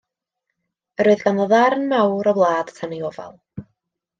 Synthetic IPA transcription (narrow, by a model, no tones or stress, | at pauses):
əɾoɨðɡanɔðarnmawɾɔblˠaːd̥tʰaniɔvɛ̰lˠ